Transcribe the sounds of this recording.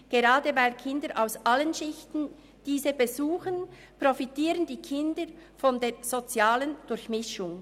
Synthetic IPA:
ɡ̥eʁaːdəvaɪlkʰɪndəɾʔaʊsʔalənʃɪçtn̩ | d̥iːzəbezuːxən | profitiːɾəndiːkʰɪndəɾfɔndeːz̥ot͡sjaːlənd̥ʊɾçmɪʃʊŋ

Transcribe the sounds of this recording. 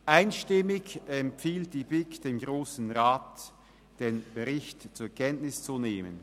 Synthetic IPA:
ʔaɪnʃtɪmɪçɛmpfiːlt̚d̥iːbɪkd̥eːmɡʁoːsn̩ʁaːt | d̥eːnb̥əʁɪçtt͡suːɐkʰɛntnɪst͡suneːmə̰n

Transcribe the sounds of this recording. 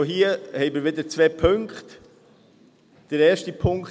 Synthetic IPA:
oɦiːəhɛɪmɪɾʋɪdəɾt͡sʋɛpʰɵŋkχt | d̥əɾɛːʃtipʰʊŋk

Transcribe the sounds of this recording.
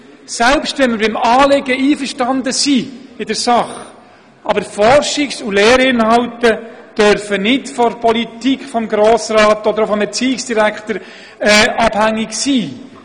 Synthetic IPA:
sɛlpstʋɛnməɾbɪmɑːlɪɡəiːfəʃtɑndəsiːɪdəɾsɑχ | ɑbəɾfɔrʃɪksulɛːɾɪnhɑwtəd̥œɾfənɪdfɔɾpʰɔlitikχfɔmɡɾoːsrɑːtɔd̪əɾofɔmbɛt͡siːɪksd̥iɾækχtəɾ | ɛːʔɑb̥hæŋːɪksiː

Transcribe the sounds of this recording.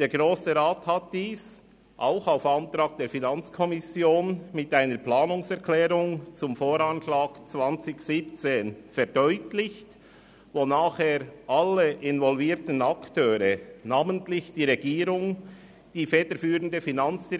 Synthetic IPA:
d̥eːɾɡʁoːsəʁaːthat̚d̥iːs | ʔaʊxaʊfantɾaːk̚d̥eːfinant͡skʰɔmɪsjoːnmɪtaɪnəɾplaːnʊŋsɛʁkʰlɛːɾʊŋt͡sʊmfoːɾanʃlaːkt͡svant͡sɪçsiːpt͡seːnfɛɾdɔʏtlɪçt | vonaːχheːɾʔalːəʔɪnvɔlviːtən̩aktʰøːɾənaːməntlɪçd̥iːʁɛɡiːɾʊŋ | d̥iːfɛːd̥əɾfyːʁəndəfinant͡sd̥i

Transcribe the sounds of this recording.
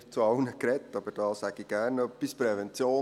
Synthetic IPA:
t͡sɑʊnəkɾɛt̪ːɑbəɾd̥ɑːsæɡɪɡ̥ænœpːispɾɛʋɛnt͡sjoː

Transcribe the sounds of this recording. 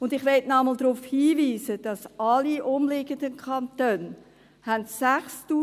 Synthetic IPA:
ʊndɪχʋɛtnɑməld̪ɾufhiːviːzəd̥ɑsɑliʔʊmlɪɡəndənkʰɑnt̪øːn | hæntsæχstuː

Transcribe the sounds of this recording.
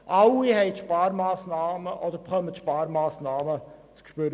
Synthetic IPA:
ʔawihɛɪtʃpɑːɾmaːsnaːməʔɔd̪əɾpχœməʃpɑːɾmaːsnaːmət͡skʃpøɾ

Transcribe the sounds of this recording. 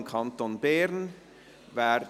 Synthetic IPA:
kʰant̪onbɛːɾn | vaːɾ

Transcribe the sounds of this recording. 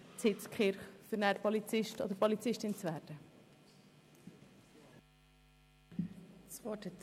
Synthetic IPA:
t͡sɪt͡skχɪɾχfʏɾnæɾpɔlit͡sɪʃtɔ̰d̥̪əɾpɔlit͡sɪʃtɪnt͡svæːɾd̥ə | t͡svɔtət

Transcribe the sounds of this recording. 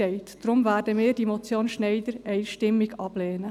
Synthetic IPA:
ɛɪt̪d̥ɾʊmvæːɾdəmɪːɾdimɔt͡sjoːnʃnɛɪd̪əɾɛɪʃtɪmːɪɡɑb̥lɛːnə

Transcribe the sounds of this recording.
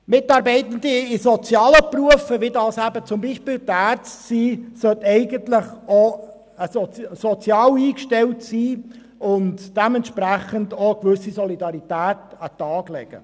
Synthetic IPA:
mɪtɑːɾbɛɪtəndiɪsɔt͡sjɑːləpruəfəʋɪdɑːsæbət͡sʊmbiːʃpɪːldəæːɾt͡stsiːsœtɛɪɡəntlɪχo | əssɔt͡sjɑːwiːkʃtɛltsiː | ʊntd̥ɛmɛntʃpɾæχəndokʋʏsisɔlidɑɾitæːtɑtɑːɡ̥lɛ̰ɡ̥ə̰

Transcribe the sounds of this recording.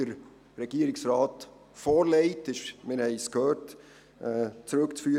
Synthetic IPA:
əɾ | ɾɛɡ̥iəɾɪksɾɑːt | foːɾlɛɪtɪʃmɪɾhɛɪskʰhøːɾt | ɛːt͡sɾɵkt͡sfyː

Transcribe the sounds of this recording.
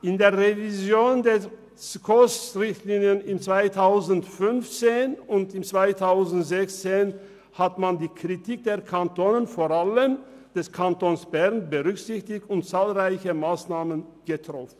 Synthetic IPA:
ʔɪndeːɐʁevizjoːndɛ | skʰostʁɪçtliːnjənɪmt͡sv̥aɪtʰaʊzn̩tfʏnft͡seːnʊntɪmt͡sv̥aɪtʰaʊzn̩tz̥ɛçt͡seːn | hatmandiːkʁ̥itʰik̚d̥eːɐkʰantoːnənfoːʁaləm | d̥ɛskʰantoːnsb̥ɛʁnbəʁʏkz̥ɪçtɪçtʊntt͡saːlʁaɪçəmaːsnaːmənɡ̥ətʁ̥ɔfn̩

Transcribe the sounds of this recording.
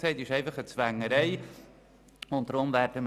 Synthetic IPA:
ɛɪtɪʃɛɪfɑχət͡sʋæŋːəɾɛɪ | ʊnt̚tɾʊmvæɾdəm

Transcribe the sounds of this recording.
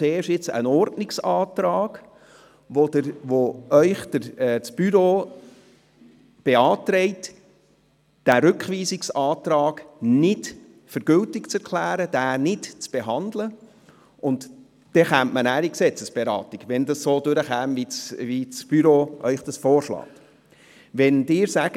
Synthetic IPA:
eːʃɪt͡sə̰nɔɾtnɪksɑːt̪ɾɑːɡ̥ | ʋodəʋoœʏχd̥əɾɛsb̥yɾoː | b̥eɑːtɾɛɪt | d̥æɾʏkχʋiːsɪksɑːtɾɑːɡ̥nɪt | fəɾɡ̥ʏltɪkt͡sɛɾkʰlæːɾəd̥æːnɪtt͡sb̥eɦɑndlə | ʔʊnd | d̥ɛχæntmənæːɾiksɛt͡səsb̥eɾɑ̰ːtiɡʋɛndɑssoːdʊɾəχæːmvivit͡sb̥yɾoːʔœʏχd̥ɑsfoːɾʃlɑ̰ːk | ʋɛndɪːɾsæɡ̥ə

